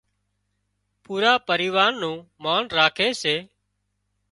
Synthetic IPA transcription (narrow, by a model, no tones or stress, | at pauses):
puːɾaːpəɾiːʋaːnnũːmaːnɾaːkʰeːseː